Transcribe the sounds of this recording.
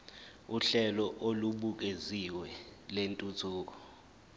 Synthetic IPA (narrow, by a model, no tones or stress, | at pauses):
uɬɛlɔʔoluɓuk̬eziwɛlentʼutʰuːk̬ɔ